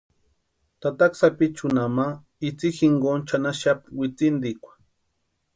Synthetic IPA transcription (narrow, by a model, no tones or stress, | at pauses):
t̪at̪aksapit͡ʃunama | it͡sixiŋɡont͡ʃanaʃapwit͡sind̪ikʷḁ